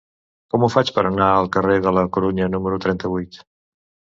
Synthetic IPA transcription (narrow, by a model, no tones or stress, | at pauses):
kɔmufat͡ʃpəɾənaəlˠkəreðələkuɾuɲənuməɾut̪ɾɛnt̪əβujt̪